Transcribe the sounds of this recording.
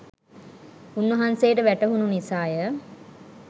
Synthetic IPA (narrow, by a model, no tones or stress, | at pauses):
unʋɐɦansejːʈəʋæʈəɦununisaːjə